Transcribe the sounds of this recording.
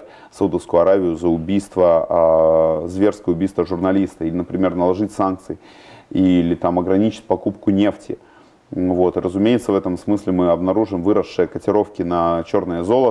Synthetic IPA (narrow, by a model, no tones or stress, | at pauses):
sɐud̪əfskʊjʊɐɾavʲɪjʊzəʊbʲijst̪və | zvʲe̞rskəjəʊbʲijst̪vəʐʊrnɐlʲist̪əilʲɪnəpɾʲɪmʲe̞rnəlˠɐʐɨtʲsank̚t̪sɨɪ | ilʲɪt̪amɐɡɾɐnʲit͡ɕɪ̥t̚ʲpɐkupkʊnʲe̞ftʲɪ̰ | vo̞t̪ɨrʔəzʊmʲejɪt̪səvɛt̪əmsmɨsʲlʲɪmɨɐbnɐɾuʐɨmvɨɾəʂːɨjəkətʲɪɾo̞fkʲɪnɐt͡ɕo̞rnəjəzo̞lˠə